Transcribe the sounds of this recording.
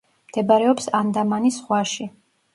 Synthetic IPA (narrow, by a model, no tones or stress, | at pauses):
md̪̥ɛbaɾɛɔpsand̪amanisχwaʃi